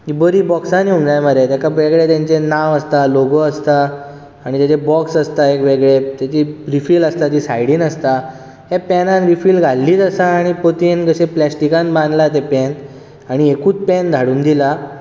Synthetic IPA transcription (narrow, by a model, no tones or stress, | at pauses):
kibəɾiːbɔksãniumnajməɾet̪jakaʋeɡɭet̪jãɲt͡ɕenaʋəst̪aloɡoəst̪aː | ɽ̃it̪jat͡ɕebɔksəst̪aekʋeɡɭet̪jat͡ɕiɾifiːləst̪at̪isajɽiːnəst̪a | ɦepɛnãnɾifiːlɡʱalːiːt̪əsaːɽ̃ipot̪inkəseplɛsʈikãnbãnd̪lat̪̬epɛn | aɽ̃iekuːt͡spɛnd̪ʱaɽuːnd̪ila